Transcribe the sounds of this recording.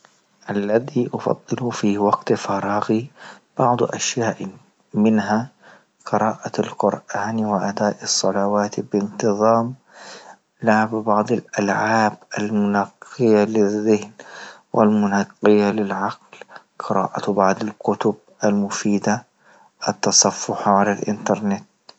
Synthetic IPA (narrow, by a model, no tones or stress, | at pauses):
ʔalːaðiʔʊfɑ̰d̪ˤːɨlufiwɑɡt̪fɑɾˤɑːɣib̥ɑʕd̪ˤʔa̰ʃjaːʔ | mɪnɦa | qɨɾˤɑːʔalqʊɾʔaːnwɪʔad̪aːʔɨsˤːɑlawaːt̪bɪnt̪ɨðˤɑːm | laʕabbɑʕd̪ˤalʔalʕaːbʔalmʊnaqːɪjalɪðːɪhnwʔɪ̰lmʊnɑqːɪjalɪlʕɑql | qʰɨɾˤɑ̰ːʔa̰bɑʕd̪ˤɑlkʊt̪ʊb̚ | almʊfiːd̪a | ʔɑt̪ːɑsˤɑfːʊħʕalalʔɪ̰nt̪ɑɾˤnɪt̪̚